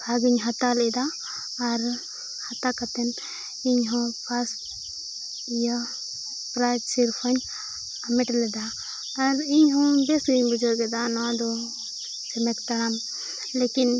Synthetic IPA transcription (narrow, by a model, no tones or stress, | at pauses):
bʱaɡiɲɦat̪alɛd̪aː | ɾ | hat̪akat̪ɛn | iɲɦɔ̃pʰas | ja | pɾajʈsiɾpʰəɲ | amiʈlɛd̪aː | ɾiɲɦɔ̃d̪ɛsiɲbud͡ʒɔɾɡɛd̪anad̪ɔ | sɛmɛkt̪aɾam | lekin